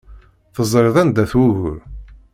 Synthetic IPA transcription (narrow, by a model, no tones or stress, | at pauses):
θəzˤɾeðˤænd̪æθwuɣʊɾ